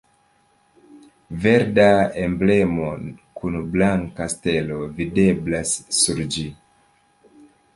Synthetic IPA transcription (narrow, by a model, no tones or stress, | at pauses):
ve̞ɾdaemble̞mokʰunblaŋkaste̞lo̞vide̞blasːuɾd͡ʒi